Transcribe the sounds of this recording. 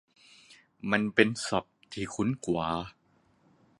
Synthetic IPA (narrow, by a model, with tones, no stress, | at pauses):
ma˧npe˧nsa˨˩p̚t̪ʰiː˧˩kʰu˦˥nkwaː˨˦